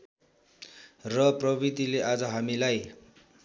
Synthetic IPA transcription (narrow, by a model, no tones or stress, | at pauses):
rʌprʌbid̪ileʔad͡zʌɦamilaj